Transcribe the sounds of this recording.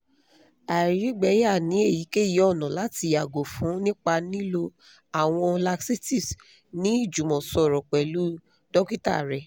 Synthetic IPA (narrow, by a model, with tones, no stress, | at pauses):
a˨ɾi˨˦ɡ͡bɛ˨˦ja˦˨nĩ˨˦e˦˨ji˨˦ke˦ji˨˦ɔ˦˨nɔ̃˨la˨˦ti˧a˨ɡo˨fũ˨˦nĩ˦k͡pa˧nĩ˦lo˧ | a˨w̃ɔ̃˧la˧ksi˦ti˦˨s | nĩ˨˦i˦˨d͡ʒu˨mɔ̃˨sɔ˨ɾɔ˨k͡pɛ˨lu˨˦ | dɔ˦ki˦ta̰˦˨ɾɛ˨